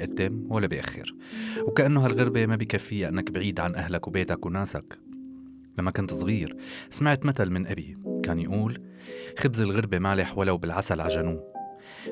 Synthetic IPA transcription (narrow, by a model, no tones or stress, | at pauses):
ʔat̪ːɪmwalːabijʔaxːɪ̰ɾ | wkaʔanːʊɦalɣaɾbemabikafːɪjːaʔɪnːakbʕiːd̪ʕanʔaɦlakwbeːt̪akwnaːsa̰k | lamːakʊnt̪sˤɣiːɾsamaʕt̪mat̪almɪnʔabikaːnjʔuːl | xɪbzɪlɣɪɾbemaːlɪħwalːawbɪlʕasalʕaʒanuː